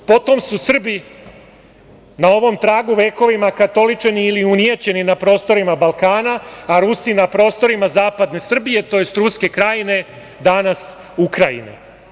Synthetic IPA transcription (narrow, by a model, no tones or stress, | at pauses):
po̞t̪o̞msusr̩bi | nao̞ʋo̞mt̪ɾaːɡuʋeko̞ʋimakat̪o̞lit͡ʂeniːliunijet͡ɕe̞ninapɾo̞ːst̪o̞ɾimabalˠkaːnaːɾusinapɾo̞ːst̪o̞ɾimazaːpad̪ne̞sr̩bije̞t̪o̞je̞st̪ɾuske̞kɾajine̞ | d̪anas | ukɾajḭnḛ